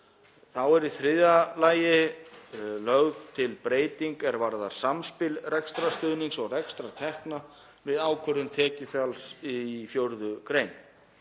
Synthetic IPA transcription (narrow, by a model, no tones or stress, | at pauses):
θawɛɾiθɾɪðalaːjɪ | lœɣðt̪ʰɪlpɾeːjt̪iŋkɛɾvaɾðaɾ̥samspɪlrɛkst̪ɾast̪ʏðniŋsɔɣrɛkst̪ɾat̪ʰɛhkna | vɪðaːwkʰœɾðʏmt̪ʰɛːcɪfjalsifjowɾðʏkɾejn